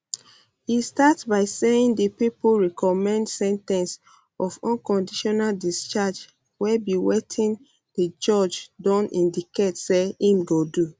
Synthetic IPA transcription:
histatsbaɪseĩndipipoɹɛkɔmɛ̃ndsɛ̃ntɛ̃ns | ɔfɔ̃nkɔ̃ndiʃɔnaldist͡ʃad͡ʒ | wɛbiwetʰĩn | d̥id͡ʒɔd͡ʒdɔ̃nʔĩndiketseĩmɡodu

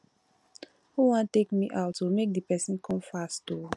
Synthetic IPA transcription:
huwãntekmiʔaʊtːumek̚dipɛsĩnkʰɔ̃mfasto

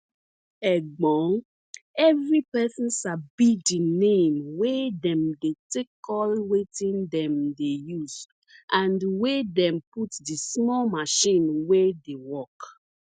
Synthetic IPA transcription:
ɛɡ͡bɔ̃ŋ | ɛvɹipɛsĩnsabidinẽmwedɛ̃mdetekʰɔlwetĩndɛ̃mdejuz̥ | ʔãndwedɛ̃mputdismɔlmaʃĩnwedewɔk

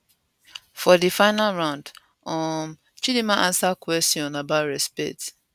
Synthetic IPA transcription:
fɔdifaɪnalɹãʊ̃nd | ɔm | t͡ʃidimaʔãnsakwɛstiɔ̃nabaʊtɹɛspɛ̰t

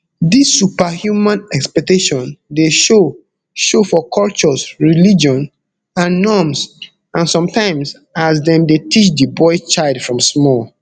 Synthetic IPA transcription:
disːupahjumãnɛkspɛk̚teʃɔ̃ndeʃo | ʃofɔkʰɔlt͡ʃɔsɹilid͡ʒɔ̃n | ãnːɔms | ʔãnsɔ̃mtãɪ̃ms | as̬dɛ̃ndetʰit͡ʃdibɔɪt͡ʃaɪldfɹɔ̃msmɔl

